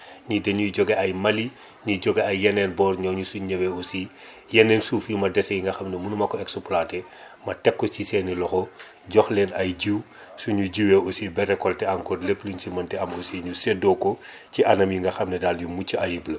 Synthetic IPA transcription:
ɲidɛɲujɟɔɡeɐjmɐli | ɲiɟɔɡeɐjːɛnɛːnbɔːrɲɔɲusuɲɐweosi | jɛnːɛnsuːfjumɐdɛsɛjiŋɡɐxɐmnemunumɐkɔɛksopulaːtɛ | mɐtɛkːɔsisɛːnilɔxɔ | ɟɔxlɛnɐjɟiw | suɲuɟiwɛʔosibɛɾɛkɔltɛɐŋkɔrlepluɲsimɐntɛɐmosiɲusɛdɔkɔ | ciɐnɐmjuŋɡɐxɐmnɛdaːljumucːiɐjiblɐ

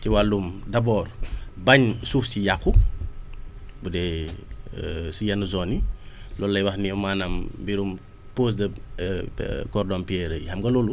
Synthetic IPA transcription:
tiwalumdɐbɔːrbɐɲsuːfsijakːu | budɛː | sujɐnəzɔni | lɔlːɐjwɐxnimaːnɐmːbiɾum | poːs̬dɐ | kɔrdɔmpiɛɾəjhɐmɡɐlɔlu

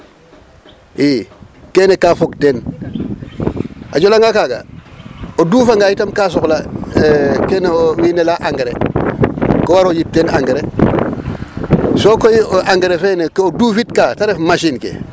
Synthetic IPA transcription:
ikeːnekafokten | a̰d͡ʒolaŋɡakaːɡa̰ | oduːfaŋɡajitamkas̬okla | keneowinelaʔaŋɡeɾḛ | kowaɾojip̚tenaŋɡeɾe | sokojoʔaŋɡeɾefeːnekoduːfitkaːtaɾefmaʃinkḛ

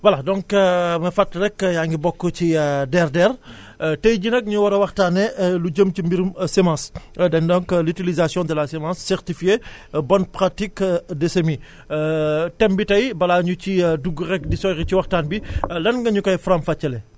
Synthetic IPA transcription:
wɐladɔ̃ŋkmɐfɐtrɛkːjaːŋɡibɔkːɔcidɛrdɛːr | tɐjɟinɐk̚ɲuwɐɾɐwɐxtaːnːɛluɟəmt͡ʃimbiɾumsɛmãːsdɛndɔŋklitilizasjɔ̃dɐlasɛmãːsːɛɾtifijebɔnpɾatikdɛsemi | tɛmbitɐjbɐlaɲuciduɡːɾɛkdisɔjɣiciwɐxtaːnbilɐnŋɡɐɲukɐjfɾamfɐt͡ʃːɐlɛ

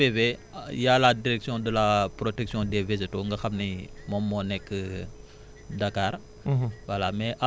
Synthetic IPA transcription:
eve | jaladiɾɛksjɔ̃dəlapɾotɛksjɔ̃dɛvezitoŋɡɐxɐmnimɔmːɔnɛkːə | dɐkaːɾ | wɐlamɛʔa

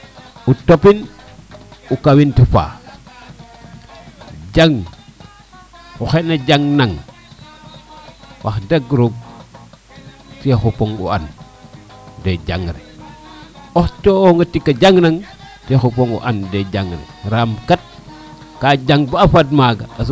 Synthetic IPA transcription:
utopin | ukawintifa̰ | d͡ʒaŋ | uxenad͡ʒaŋnaŋ | wʔaxdaɡɾuɡ̚ | texupoŋṵan | ded͡ʒaŋɾḭ | oxt͡ʃoŋɡatikːad͡ʒaŋnaŋ | texupoŋṵʔanded͡ʒaŋɾḭɾamkat̚ | kad͡ʒaŋbaafadmaɡaas

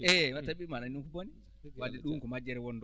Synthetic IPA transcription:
ɛwatabimananukuboni | wadɛɗuŋkɔmad͡ʒɛɾɛwɔndɔ

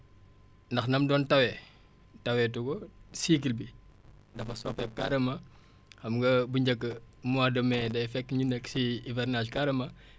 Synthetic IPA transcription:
ndɐxnɐmdɔːntɐwɛ | tɐwɛtuɡɔsiːk̬ilbidɐfɐsɔ̰ːpɛp̚ka̰ɾɐmɐ | xɐmŋɡɐbuɲɟɐkːə | muadɐmɛːdɐjfɛkːɲunɛkːsiivɛɾnaʃkaɾɐmɐ

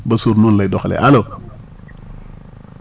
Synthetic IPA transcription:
basuɾnunladoxalḛʔalo

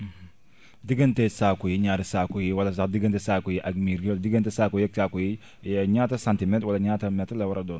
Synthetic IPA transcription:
diɡɐntɛsaːkujiɲaːɾisaːkujiwɐlɐs̬axdiɡɐntɛsaːkujiʔaɡmiɾɡiwɐldiɡɐntɛsaːkujɛk̚sakuji | ɲaːtɐsãntimɛntwɐlɐɲaːtɐmɛtlɐwɐɾɐdɔːn

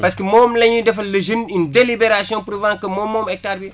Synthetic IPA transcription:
pɐskəmoːmlɐɲidɐfɐlɐʒinindelibeɾasijɔ̃pɾuvãːkɐmomːoːmɛk̚taɾbi

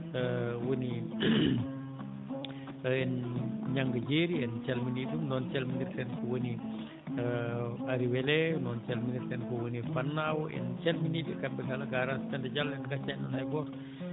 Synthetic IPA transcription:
əwəni | ɛnɲaŋɡəd͡ʒeɾiɛnt͡ʃɛlminidumnɔnt͡ʃɛlminirsɛnkəwəni | əaɾiwelɛnɔnt͡ʃɛlminirsɛnkəwənifanːawɛ̰nt͡ʃɛlminidukambɛɡalaɡaɾastandəd͡ʒalɛnkat͡ʃɛʔnɔnajbɔ

